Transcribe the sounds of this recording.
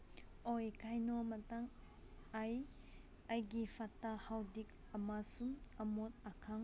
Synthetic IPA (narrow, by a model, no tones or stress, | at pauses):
ɔjkajnɔmataŋ | aj | ajɡifatahawdik̚ | amasumamɔt̪̚akʰaŋ